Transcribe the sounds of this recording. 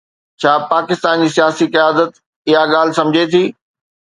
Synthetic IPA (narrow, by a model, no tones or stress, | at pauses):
t͡ɕʰaːpaːkɪst̪aːnd͡ʑiːsijaːsikɪjaːd̪ət̪ | ɪɦaɠaːl̤ɪ̆sɐ̃md͡ʑʱet̪ʰiː